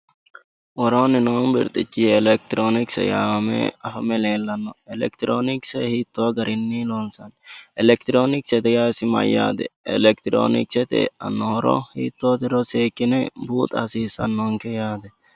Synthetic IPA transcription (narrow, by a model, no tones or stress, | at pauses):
wɔɾoːnɪnoːmbɪ̰ɾt̪ʼɪt͡ʃːiɛlɛk̚t̪ɾoːnɪksɛ̰jaːmɛ̰ɐfɐmɛleːlːɐnːɔɛlɛ̰kt̪ɾoːnɪksɛhit̪ːoɡɐɾʔɪnːilonsɐnɛlɛk̚t̪ɾoːnɪksɛt̪ɛjaːsɪmɐ̰jːa̰ːd̪ɛ̰ɛ̰lɛk̚t̪ɾo̰ːnɪ̰ksɛt̪ɛ̰ɐ̰nːɔhɔɾɔ̰hḭːt̪ːot̪ɪɾɔseːkːɪnɛbuːt̪ɐ̰siːsɐnːɔŋkɛjaːd̪ɛ